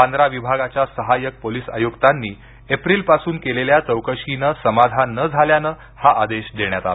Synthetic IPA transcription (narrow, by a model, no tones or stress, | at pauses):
and̪ɾaʋibʱaɡat͡ɕjasəɦajək̚poliːsa̰joɡt̪anːiː | epɾiːlpasuːnkeleljat͡səwkəɕinəsəmad̪ʱanːəd͡zʱaljanə | haʔad̪eɕd̪eɳjat̪a̰l